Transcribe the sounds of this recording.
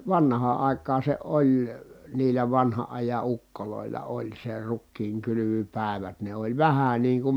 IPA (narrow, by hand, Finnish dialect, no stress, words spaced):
ʋɑnhɑː ɑˑi̯kɑːn̞ se olʲ niːlæ ʋɑnhɑʔ ʔɑjɑ ukːoloˑilːɑ olʲ se rukːiːŋkylyʋypæˑi̯ʋæt ne olʲ ʋæhæ niːŋ kum